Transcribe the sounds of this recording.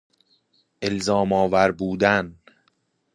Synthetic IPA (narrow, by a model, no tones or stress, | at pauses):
ʔe̞lzɒːmɒːvæɾbuːd̪æn